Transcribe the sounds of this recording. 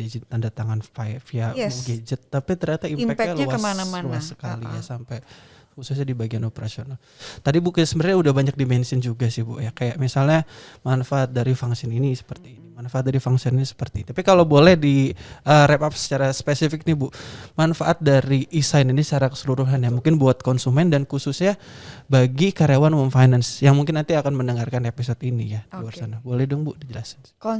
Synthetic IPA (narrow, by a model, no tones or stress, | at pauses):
d͡ʒad͡ʒint̪andat̪aŋanfafiauɡid͡ʒət̪ːapit̪ərɲat̪aimfɛkalaəananluasəkalijasampɛj | husʊs̬ɲadibaɡianopəɾasional | t̪adibukɪsəmbəɾɲaudahbaɲak̚dimɛnsɪnd͡ʒuɡasɪhbʊʔjakajaʔmisalɲamanfaʔat̪̚daɾifaŋsɪninisə̥pərt̪iːnimanfaat̪̚daɾifaŋsininisə̥pərt̪int̪apikalobolɛhdiəɾɛpap̚sə̥t͡ʃaɾaspesifɪk̚nibʊʔmanfaʔat̪̚daɾiʔisajninisə̥t͡ʃaɾakə̥səluɾuɦanjamuŋkɪnbuat̪̚kɔnsumɛndankususɲa | baɡikaɾawanwɔnfajnansjaŋmuŋkɪnːant̪iakanmənəŋarkanepisɔt̪inijadwarsanabolɛhdʊŋbʊʔdid͡ʒəlasan